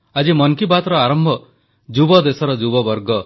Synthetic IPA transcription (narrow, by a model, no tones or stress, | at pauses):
ad͡ʒimʌŋkibat̪ɾɔaɾɔmbʱɔ | d͡ʒubɔd̪esɔɾɔd͡ʒubɔbɔɾɡɔ